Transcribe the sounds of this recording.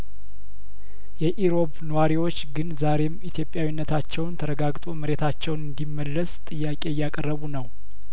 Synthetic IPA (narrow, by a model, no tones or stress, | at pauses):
jɛʔiɾo̞βnəwaɾiwo̞t͡ʃːɡɨnzaɾe̞mit̪ʰjo̞pʼjawinːət̪ʰat͡ʃːɛwnt̪ʰəɾəɡaɡt̪ʼoməɾe̞t̪ʰat͡ʃːɛwnɨnd̪imːəlːəst̪ʼɨjːakʼe̞jːakʼərːəβunəw